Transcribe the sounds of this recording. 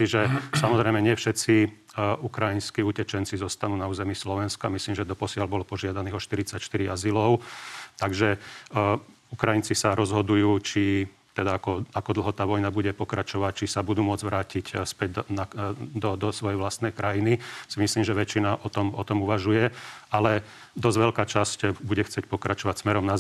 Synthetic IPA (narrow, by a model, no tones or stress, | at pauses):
iʒɛsamɔzɾɛjmɛɲɪɛfʃɛt̪t͡si | ukɾajinskiucɛt͡ʃɛnt͡sizɔst̪anuːnauːzɛmislɔʋɛnskamisliːmʒɛd̪ɔpɔsɪalbɔlɔpɔʒɪad̪aniːɦɔʃt̪iɾit͡sacʃt̪iɾiazilɔʊt̪aɡʒɛ | ukɾajint͡sisaɾɔzɦɔd̪ujuːt͡ʃi | t̪ɛd̪aakɔakɔd̪l̩ˠɦɔt̪aːʋɔjnabuɟɛpɔkɾʔat͡ʃɔʋac̚t͡ʃisabud̪uːmʊɔd͡zʋɾaːcicspɛɟ̚nad̪ɔd̪ɔsʋɔjɛjʋlast̪nɛjkɾʔajinisimisliːmʒɛʋɛt͡ʃːinaʔɔt̪ɔmɔt̪ɔmuʋaʒujɛalɛ | d̪ɔzʋɛlkaːt͡ʃascbuɟɛxt͡sɪɛc̚ʲpɔkɾʔat͡ʃɔʋacsmɛɾɔmna